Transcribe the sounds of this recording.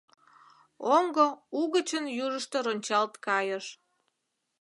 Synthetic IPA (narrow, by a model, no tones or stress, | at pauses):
oŋɡouɣət͡ɕənjuʒəʃt̪eɾonʲt͡ɕɑlt̪kɑjəʃ